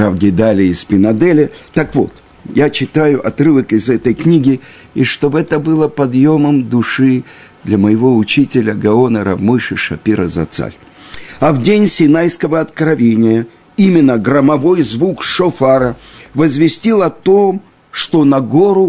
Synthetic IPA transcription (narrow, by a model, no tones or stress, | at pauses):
avɡʲɪd̪alʲɪɪspʲɪnɐd̪ɛlʲɪt̪akvo̞̰t̪ | jat͡ɕɪt̪ajʊʔɐt̪rɨvəkɪzɛt̪əjknʲiɡʲɪ | iʂt̪o̞bɛt̪əbɨlˠəpɐd̪jo̞məmd̪ʊʂɨ | d̪lʲɐməjɪvo̞ʊt͡ɕitʲɪlʲəɡɐonəɾɐ̰vmɨjʂɨʂɐ̰pʲiɾəzɐ̰t̪sa̰lʲ | ɐvdʲenʲsʲɪnajskəvəɐt̪kɾɐvʲenʲɪjə | imʲɪnːəɡɾəmɐvo̞jzvukʂofaɾəvəzvʲɪsʲtʲilˠɐt̪o̞m | ʂt̪o̞nɐɡoɾʊ